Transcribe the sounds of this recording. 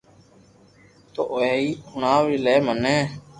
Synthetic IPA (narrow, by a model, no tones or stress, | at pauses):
t̪o̰ːʔoeːiːʊɳãːʋiːleːmənẽː